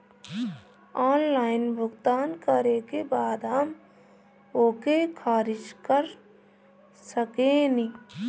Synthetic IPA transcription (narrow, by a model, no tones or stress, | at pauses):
aːnlaːɪnbʱʊɡt̪aːnkəɾekebaːd̪ɦəm | oːkekʰaːɾɪd͡ʒkəɾ | səkeːni